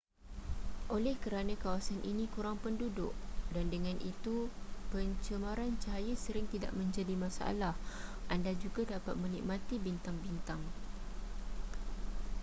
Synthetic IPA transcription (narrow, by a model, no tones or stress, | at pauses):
ʔolɛhkəɾanãkawasanʔḭnĩkuɾaŋpəndudʊ̰kdandəŋãnʔit̪upəɲt͡ʃəmaɾant͡ʃaɦajəsəɾɪŋt̪ida̰ʔmə̃ɲd͡ʒadimãsaa̰lahʔandad͡ʒuɡadapat̪̚mə̃nḭk̚mãt̪ibint̪aŋbint̪aŋ